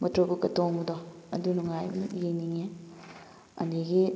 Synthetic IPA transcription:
mɐtɾobukɐtoŋɡudo | ɐ̰dunuŋajbɐnujeniŋe | ɐ̰ndeɡi

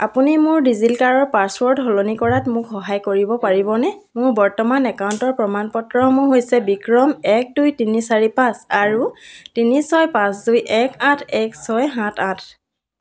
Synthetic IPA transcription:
apunimʊɹdizilkaɹɔɹpaswɔɹdɦɔlonikɔɹatmʊkxɔɦajkoɹibɔpaɹibɔnɛmʊɹbɔɹtɔmanɛkauntɔɹpɹɔmanpɔtɹɔhɔmɔɦojsɛbikɹɔmɛk̚dujtinisaɹipãsaɹutinisɔjpãsdujʔɛkãtʰɛksɔjɦãtʰãtʰ

